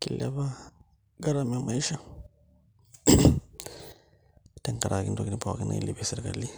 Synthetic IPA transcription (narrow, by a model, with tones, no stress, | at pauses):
ki˨la̰˦βa˦ | ɡa˦ɾa˦˨me˨ma˨i˦ʃa˦ | te˨ŋka˨ɾʔa˨ki˦ndo˨ki˦ni˦pa˨wa̰˨ki˦na̰˨ḭ˦li˨be˨si˦ɾka̰˨lːi˦